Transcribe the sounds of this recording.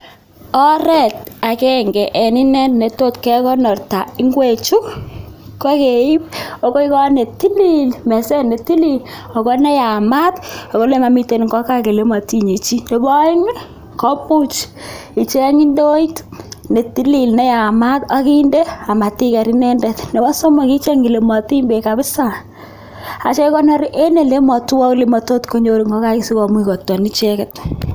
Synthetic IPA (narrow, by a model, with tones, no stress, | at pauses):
ɔ˦ɾɛ˦ta˨kɛ˦ŋɡɛ˨ʔɛ˨ni˦nɛ˦tne˨to˦tkɛ˦kɔ˦nɔ˨rta˨i˦ŋɡwe˨t͡ʃu˦kkːɔ˦ke˨i˦p̚o˦ko˦i˦kɔ˦ne˨ti˦li˦lmɛ˨sɛ˦ne˨ti˦li˦l | ɔ˨kɔ˦nɛ˦ja˨ma˦tɔ˨ko˦le˦ma˨mi˦te˨n˨ŋɡɔ˦ka˦ke˨le˦ma˨ti˦ɲi˨t͡ʃi˦ne˨bɔ˦ɪ˦ŋ˦ | kɔ˦mu˦t͡ʃ | i˨t͡ʃe˦ŋi˦ndo˦i˦tne˨ti˦li˨lnɛ˦ja˨ma˦ta˦ki˦nde˦a˨ma˨ti˦kɛ˨ɾi˦nɛ˦ndɛ˨tne˨bɔ˦so˦mɔ˨ki˦t͡ʃe˦ŋɡi˨le˨mɔ˨ti˦mbe˨ka˨bɪ˦sa˨ | a˨t͡ʃe˦kɔ˦nɔ˦ɾʔe˦ne˨le˦mɔ˨twɔ˦kle˦mɔ˨to˦tko˦ɲo˦ɾi˨ŋɡɔ˦ka˦ki˨si˦kɔ˨mwi˦kɔ˨tːɔ˨ni˦t͡ʃɛ˦kɪ˨t